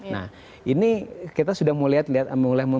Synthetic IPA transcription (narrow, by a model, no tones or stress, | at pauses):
na̰h | inikit̪asudahmoliɦat̪liat̪məŋulam